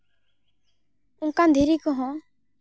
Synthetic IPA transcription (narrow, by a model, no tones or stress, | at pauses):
ʊŋkãnd̪ʱiɾikɔɦɔ̃